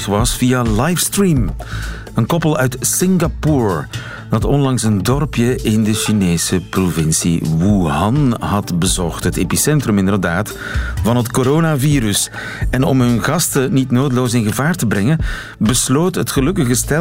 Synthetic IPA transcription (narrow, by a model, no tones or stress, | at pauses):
xʋɑsfialajfstriːm | ənkɔpəlˠœɥtsɪŋɡapuːɹ | d̥ɑtɔnlɑŋsəndɔrpjəʔɪndəʃineːsəprovɪnsḭwuɦɑnɦɑdbəzɔχtɦəteːpisɛntrɵmɪndərdaːt | vɑnɦətkoɾoːnaviːɾɵs | ɛnɔ̰mɦɵnɣɑstənitnoːdəloːsɪnɣəvaːrtəbɾɛŋən | bəsloːtɦətχəlɵkəɣəstɛ